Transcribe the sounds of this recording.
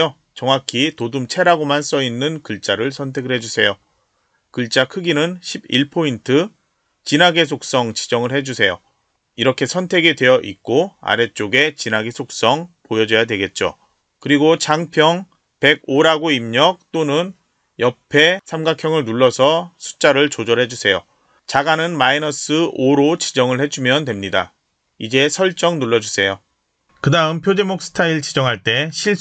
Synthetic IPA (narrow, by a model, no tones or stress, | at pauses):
o | t͡ɕʌŋwakʰitodɯmt͡ɕʰe̞ɾaɡomans͈ʌinːɯnkɯɭt͡ɕ͈aɾɯɭsʰʌntʰe̞ɡɯɭhe̞d͡ʑusʰe̞jo | kɯɭt͡ɕ͈akʰɯɡinɯnɕʰibiɭpʰointʰɯ | t͡ɕinaɡes̬ʰok̚s͈ʌŋt͡ɕi̥d͡ʑʌŋɯɭhed͡ʑusʰe̞jo̰ | iɾʌkʰe̞sʰʌntʰe̞ɡedwe̞jʌʔḭk͈oa̰ɾe̞t͡ɕ͈oɡe̞t͡ɕinaɡe̞sʰok̚s͈ʌŋpojʌd͡ʑʌjadweɡe̞t̚t͡ɕ͈o̰ | kɯɾiɡot͡ɕaŋpʰjʌŋ | pe̞ɡ̚oɾaɡoimɲʌk̚t͈onɯn | jʌpʰe̞sʰamɡakʰjʌŋɯɭnuɭːʌsʰʌsʰu̥t͡ɕ͈aɾɯɭt͡ɕod͡ʑʌɭɦe̞d͡ʑusʰe̞jo | t͡ɕaɡanɯnmainʌs͈ɯoɾot͡ɕid͡ʑʌŋɯɭhe̞d͡ʑumjʌndwe̞mɲida | id͡ʑe̞sʰʌɭt͡ɕ͈ʌŋnuɭːʌd͡ʑusʰe̞jo | kɯdaɯmpʰjod͡ʑemok̚s͈ʰɯ̥tʰaiɭt͡ɕid͡ʑʌŋɦaɭt͈e̞ɕʰiɭ